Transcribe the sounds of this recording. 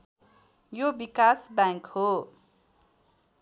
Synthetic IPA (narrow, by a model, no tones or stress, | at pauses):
jobikasbãŋkho